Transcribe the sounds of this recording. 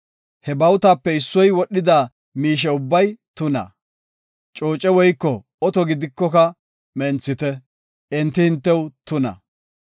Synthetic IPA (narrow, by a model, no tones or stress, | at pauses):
hɛbɐwt̪aːpːɛɪsːɔjwɔɗːɪd̪aː | miːʃ̬ɛʊbːɐjt̪ʊnɐ̰ | t͡ʃʼo̞ːt͡ʃʼɛwɔjkːɔ | ɔt̪ɔɡɪd̪ɪkːɔkɐ | mɛnt͡sːɪt̪ɛ | ɛnt̪ːɪhɪnt̪ːɛwt̪ʊnɐ̰